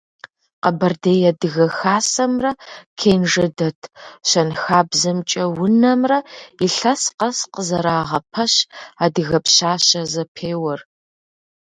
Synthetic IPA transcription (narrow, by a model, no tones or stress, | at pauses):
qɐbɐrdeːjɛdɨɣɐxaːsɐmrɐkʰeːnʐɐdɐtʰɕɐnxaːbzɐmt͡ʃʼɐwʊnɐmrɐiɬɐsqɐsqəzɐɾaːʁɐpʰɐɕaːdɨɣɐpɕaːɕɐzɐpʰeːwɐr